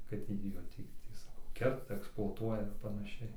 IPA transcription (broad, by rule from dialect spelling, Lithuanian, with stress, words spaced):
kɐt ˈtʲiː joː ˈtʲiː ˈtʲiː sɐˈkɐʊ ˈkʲɛrtɐ ɛksplˠoːɐˈtuɔjɛ ɪr pɐnɐˈʃʲɛɪ